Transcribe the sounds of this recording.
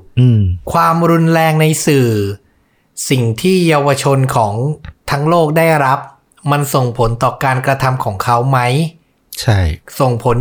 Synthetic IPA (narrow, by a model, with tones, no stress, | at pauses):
ʔɯː˧˩mkʰwaː˧mɾu˧nɾɛː˧ŋna˧jsɯː˨˩ | si˨˩ŋt̪ʰiː˥˩jaː˧wa˧t͡ɕʰo˧nkʰɔː˩˦ŋt̪ʰa˦˥ŋloː˥˩k̚daː˥˩jɾa˦˥p̚ | ma˧nso˨˩ŋpʰo˩˦nt̪ɔː˨˩kaː˧nkɾa˧t̪ʰa˧mkʰɔː˩˦ŋkʰa˦˥wma˦˥j | t͡ɕʰa˥˩jso˨˩ŋpʰo˩˦n